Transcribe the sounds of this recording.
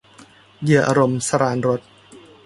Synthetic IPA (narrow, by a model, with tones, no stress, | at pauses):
jɯ˧˩ɐʔa̰ː˧ɾo˧msa˧ɾaː˧nɾo˦˥t̪̚